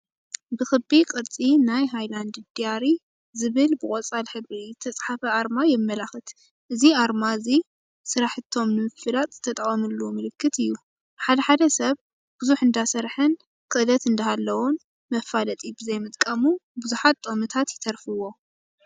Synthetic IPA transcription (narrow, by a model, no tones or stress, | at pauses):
bɨxɨbikʼɨɾt͡sʼinajɦajland̪ɨd̪ijaɾi | zɨβɨlbɨkʼot͡sʼalħɨβɾit̪ʰɐt͡sʼħafɐaɾmajɛmːɐlaxɨt̪ | ʔɨziaɾmaɨzi | sɨɾaħɨt̪ʰːo̞mnɨmɨfːɨlat̪ʼz̥ɨt̪ʰːɐt̪ʼɐχʼɐmɨlːumɨlɨkʰːɨt̪ɨjːu | ħad̪ɐħad̪ɐsɐβ | b̥ʊzuħɨnd̪asɐɾħɨn | kʰɨʔɨlɐt̪ɨnd̪ɐhalːɐwon | mɐfalɐt̪ʼibɨzɐjmɨt̪ʼkʼɐmubuzuħat̪ːʼomɨt̪ʰat̪jɪt̪ʰɐɾfɨwːo̞